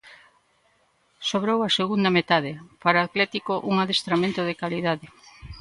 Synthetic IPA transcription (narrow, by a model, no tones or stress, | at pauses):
soβɾowaseɣund̪amet̪aðepaɾaat̪lɛt̪ikoʔuŋaðest̪ɾamẽnt̪oðekaliðaðe